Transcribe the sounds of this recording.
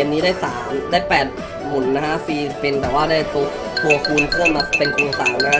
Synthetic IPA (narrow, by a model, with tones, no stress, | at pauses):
mniː˦˥daː˥˩jsaː˩˦mdaː˥˩jpɛː˨˩t̪̚ | mu˨˩˦nːa˦˥kʰa˦˥siː˨˩pi˧nt̪ɛː˨˩waː˥˩daː˥˩jt̪ʰu˧˦˧k | t̪ʰu˧ɐkʰu˧npʰɯ˥˩ə˩ma˧˥pe˧nkʰuː˧sa̰ː˩˦mna˦˥kʰa˦˥